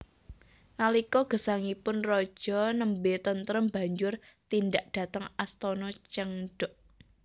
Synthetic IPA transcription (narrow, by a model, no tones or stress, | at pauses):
nalikɔɡ̥ə̤saŋipʊnrɔd̥ʒ̥ɔnəmbet̪ənt̪əɾəmba̤ɲd͡ʒʊrt̪ind̪aʔd̥ä̤t̪əŋast̪ɔnɔt͡ʃəŋɖ̥ʊʔ